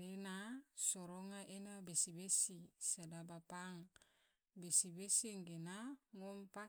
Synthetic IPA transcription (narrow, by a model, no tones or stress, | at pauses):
ɾenasoɾoŋaʔenabesibesisadabapaŋ | besibesiŋɡenaŋompa